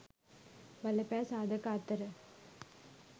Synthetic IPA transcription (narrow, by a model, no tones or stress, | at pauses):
bɐlɐpaːsaːd̪ɐkaːt̪ːɐɾɐ